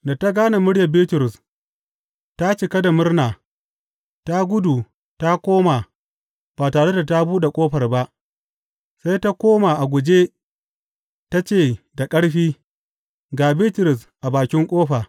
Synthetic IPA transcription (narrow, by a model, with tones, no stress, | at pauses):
da˨ta˦ɡaː˦na˨mʊ˦ɽjɐ˨bi˦tʊ˨ɾʊ˨s | ta˦t͡ʃɪ˨kɐ˦da˨mʊ˦rnaː˨ | ta˦ɡʷʊ˦du˨ | ta˦kʷoː˦maː˨ | b̥aː˨taː˨ɽe˦da˨ta˦buː˦ɗe˨kʷʼoː˦ɸɐ˨rba˦ʔ | sa˦jta˦kʷoː˦ma˨ʔa˨ɡʷʊ˨d͡ʒeː˦ | ta˦t͡ʃeː˦˨da˨kʼɐ˦ɽɸiː˦ | ɡaː˨biː˦tʊ˨ɾʊ˨sʔa˨baː˨kʲɪ˦ŋkʷʼoː˦ɸaː˨